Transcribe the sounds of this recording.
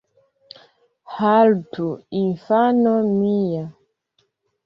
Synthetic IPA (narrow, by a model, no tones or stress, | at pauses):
haltuinfanɔmija